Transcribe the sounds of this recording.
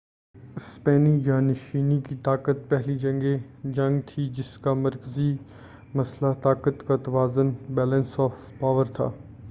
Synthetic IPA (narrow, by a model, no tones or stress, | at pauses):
ɪspɛːnid͡ʒaːnɪʃiːnikit̪aːkət̪̚pɛɦlid͡ʒɐ̃ŋɡe | d͡ʒɐ̃ŋɡt̪ʰid͡ʒɪskamɐɾkəzi | mɐslat̪aːkət̪kat̪ɐʋaːzənbɛːlə̃nsɔːf | paːʋəɾt̪ʰa̰ː